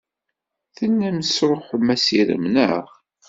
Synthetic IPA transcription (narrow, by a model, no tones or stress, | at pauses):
θənːæməsɾˤoħmæsiɾə̰mnəʁ